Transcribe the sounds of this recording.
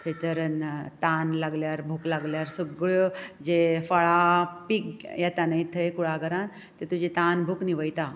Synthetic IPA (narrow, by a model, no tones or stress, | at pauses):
t̪ʰet͡səɾənt̪anlaɡljaɾbʱuklaɡljaɾsuɡɭod͡ʑefaɭapikjɛt̪anait̪ʰəjkuɭ̤aɡəɾãn | t̪et̪ud͡ʑit̪anbʱukniʋəjt̪a